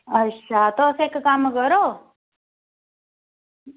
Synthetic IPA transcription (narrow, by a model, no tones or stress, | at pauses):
ətːɕʰat̪oseːkkamkəɾo